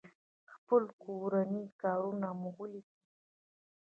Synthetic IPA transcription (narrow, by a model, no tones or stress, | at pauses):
xpəlkoɾanikɑɾunamuɣəlid̪i